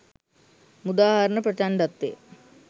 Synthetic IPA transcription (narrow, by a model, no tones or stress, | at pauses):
mud̪aːɦaɾɐɳɐpɾɐt̪aːnɖ̪ɐt̪ːḛ